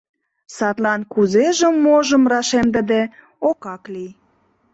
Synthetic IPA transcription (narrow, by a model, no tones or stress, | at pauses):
sɑt̪lɑnkuzeʒə̆mːoʒə̆mrɑʃemd̪ə̆d̪e | okɑklij